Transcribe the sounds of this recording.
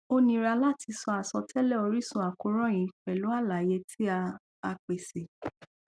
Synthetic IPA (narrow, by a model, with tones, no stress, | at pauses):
o˦nĩ˧ɾa˧la˦˨tʰi˧sɔ˧a˨sɔ˧tʰɛ˦lɛ˦˨o˧ɾi˦sũ˦a˨ko˧˦ɾɔ̃˦˨j̃ĩ˨k͡pɛ˨lu˨˦a˦˨la˨je˧˦tʰi˦a˧ | a˧k͡pe˨se˨